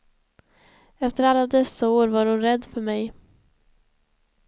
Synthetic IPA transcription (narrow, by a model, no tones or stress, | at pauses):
ɛft̪əɾalːad̪ɛsːaoːɾvaɾhʊnɾɛd̪ːfœɾmɛj